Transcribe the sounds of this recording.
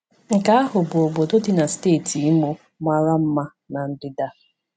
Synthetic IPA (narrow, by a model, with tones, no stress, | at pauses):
ŋ̩˨ka˦a˦ɦʊ˨bʊ˨o˨bo˨do˦dɪ˦na˨steː˦˨tʰi˨i˦mo˦ | ma˦ɾa˦m̩˦ma˦ | na˨n̩˦dɪ˦da˦